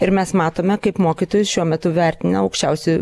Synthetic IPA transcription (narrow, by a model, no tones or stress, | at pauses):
ɪɾmʲɛsmɑːt̪oːmʲɛkɐɪpmoːkʲɪt̪oːjʊsʃʲuɔmʲɛt̪ʊʋʲæɾʲt̪ʲɪnɐɐʊkʃʲt͡ʃʲɛʊsʲʊ